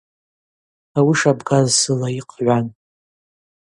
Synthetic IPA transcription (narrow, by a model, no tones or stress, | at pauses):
awiʂabɡazsɨlaiqʼʕʷan